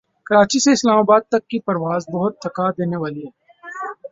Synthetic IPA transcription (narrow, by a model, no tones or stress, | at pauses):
kɐɾaːt͡ʃiseɪslaːmaːbaːd̪̚t̪ɐkːipɐɾʋaːzbɐɦʊt̪ːɐkad̪eːneʋaːliɦɛː